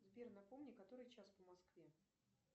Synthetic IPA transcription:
zbʲernɐpomnʲɪkɐt̪o̞ɾɨjt͡ɕaspəmɐskvʲe

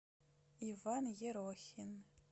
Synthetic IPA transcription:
ivanjɛɾoxʲin

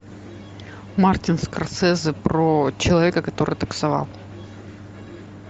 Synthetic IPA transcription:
martʲɪnskɐrt̪sɛzɨpɾot͡ɕɪlˠɐvʲe̞kəkɐt̪o̞ɾɨjt̪əksɐva̰lˠ

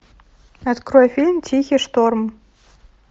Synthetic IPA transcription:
ɐt̪kɾɔjɛfʲilʲmt͡sʲʰixʲiʂt̪orm

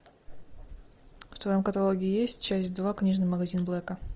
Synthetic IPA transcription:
ft̪vɐjomkɐt̪ɐlˠoɡʲɪɪjesʲtʲt͡ɕæsʲtʲd̪vaknʲiʐnɨxməɡɐzʲinblˠɛkə

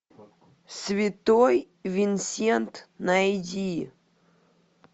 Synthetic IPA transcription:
svʲɪt̪oj | vʲɪnsʲent̪nɐidʲi

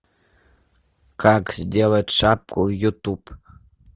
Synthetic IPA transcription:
kakzʲd̪ʲelˠətʲʂap̚kujut̪up

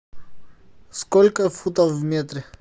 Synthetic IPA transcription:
skolʲkəfut̪əfvmʲet̪ɾʲɪ

